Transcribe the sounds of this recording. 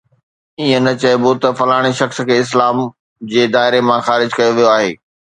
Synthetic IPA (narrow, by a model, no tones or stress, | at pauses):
iːə̃nɐt͡ɕɐebot̪ɐfɐlaːɽ̃iʃɐxskʰeːɪs̬laːm | d͡ʑeːd̪aːɦɪɾemãxaːɾɪd͡ʑkɐjoʋijoaːɦḛː